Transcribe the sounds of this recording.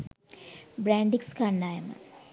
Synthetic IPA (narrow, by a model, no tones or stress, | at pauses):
bɾaːɳɖikskaɳɖaːjɐmɐ̰